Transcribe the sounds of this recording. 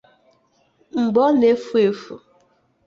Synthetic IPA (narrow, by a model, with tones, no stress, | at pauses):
ŋ͡m̩˨ɡ͡bɔ˦ne˦fu˦e˨fu˨